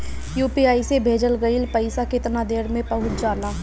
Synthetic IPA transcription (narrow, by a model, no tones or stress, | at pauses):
juːpiaːisebʱeːd͡ʒəlɡəɪlpəɪsakɪt̪nad̪eːɾmẽpɐɦʊt͡ʃʰd͡ʒaːlaː